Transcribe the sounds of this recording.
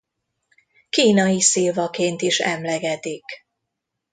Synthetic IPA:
kiːnɒjiseːvɒkeːnt̪iʃɛmlɛɡɛt̪ik

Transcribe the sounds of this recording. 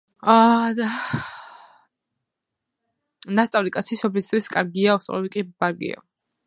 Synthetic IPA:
ad̪a | nast̪sʼavlikʼat̪sʰiʃɔblisd̪ʰwiskʼaɾɡiaɔsʼlɔbikʼibaɾɡḭa̰

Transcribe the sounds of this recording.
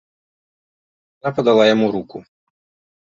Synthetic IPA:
napɔd̪ɐlˠajɔmuɾukʊ

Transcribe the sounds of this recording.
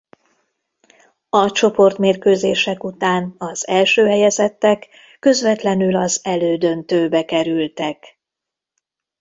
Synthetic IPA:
ɒt͡ʃo̞po̞rt̪meːrkøːzeːʃɛkut̪aːnɒzɛlʃøːɦɛjɛzɛt̪ːɛkː | ø̞zʋɛt̪lɛnylɒzɛløːd̪ø̞nt̪øːbɛkɛɾylt̪ɛk

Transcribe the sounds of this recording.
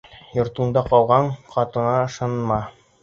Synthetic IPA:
jŏɾt̪ɤ̆nd̪ɑqɑlˠʁɑɴqɑt̪ɤ̆nɑɤ̆ʃɑnmɑ

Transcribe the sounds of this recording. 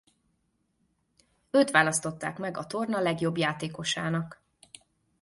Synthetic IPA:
øːt̪ʋaːlɒst̪o̞t̪ːa̰ːkmɛɡɒt̪o̞rnɒlɛɡjo̞bjaːt̪eːko̞ʃaːnɒk

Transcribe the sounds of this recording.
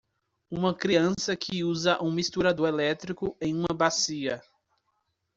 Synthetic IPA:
ũmɐkɾiɐ̃sɐkʰɪuzɐʔũmist̪uɾad̪ʊelɛt̪ɾikʊẽj̃ũmɐbasiɐ

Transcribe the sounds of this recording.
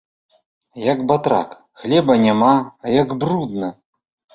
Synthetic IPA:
jɐɡbat̪ɾa̰k | xlʲɛbɐnʲamajɐɡbɾud̪nɐ

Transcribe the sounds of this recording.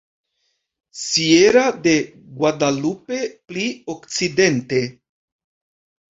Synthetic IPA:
sieɾade̞ | ɡwadalupe̞pliokt͡side̞nte̞

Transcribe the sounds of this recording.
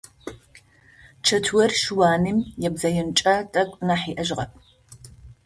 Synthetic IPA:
t͡ʃʰɐtʰwɔrʃwaːnɨmjɛbzɐjɪnt͡ʃʼatʼɐkʷʼnaħiːʔɐʒʁɐp̚ʰ

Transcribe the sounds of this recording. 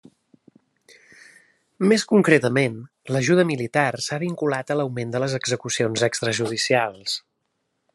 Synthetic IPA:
meskuŋkɾet̪əmen | ləʒuðəmilit̪arsaβiŋkulat̪ələwmend̪ələzəɡzəkusionzɛkst̪ɾəʒuðisialˠs

